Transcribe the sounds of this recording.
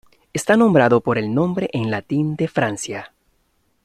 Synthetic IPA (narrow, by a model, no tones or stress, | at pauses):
est̪anõ̞mbɾaðo̞po̞ɾe̞lnõ̞mbɾe̞ʔenlat̪ind̪e̞fɾansja